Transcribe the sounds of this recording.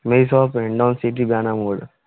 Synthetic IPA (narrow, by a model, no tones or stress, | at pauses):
meisɔːpeɳɖɔ̃ːnsiʈ̬ibaːnamoːɽ